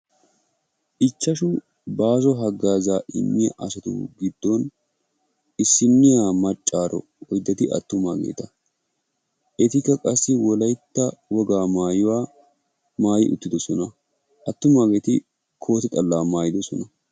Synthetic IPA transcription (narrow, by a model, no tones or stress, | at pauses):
ʔɪt͡ʃːɐʃu | baːzɔɦɐɡːaːzaːʔɪ̰mːɪɐ̰ʔɐsɐt̪ṵːɡɪd̪ːɔn | ɪsːɪnːɪjaːmɐt͡ʃʼːaːɾɔ̰ | ɔjd̪ɐt̪ɪɐ̰t̪ːʊmaːɡḛːt̪ɐ | ʔɛt̪ɪkːɐkʼɐsːɪwɔlɐjt̪ːɐwɔɡaːmaːjɪwaː | maːjɪ̰ʔʊ̰t̪ːɪd̪ɔsɔnɐ | ʔɐt̪ːʊmaːɡe̞ːt̪ɪ | kʰo̞ːt̪ɛt̪ʼɐlːaːmaːjɪd̪ɔsɔ̰nɐ